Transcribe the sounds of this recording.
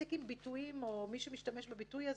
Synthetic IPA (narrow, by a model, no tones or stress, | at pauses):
ekimbitujimo̞miʃemiʃtame̞ʃbabitujaz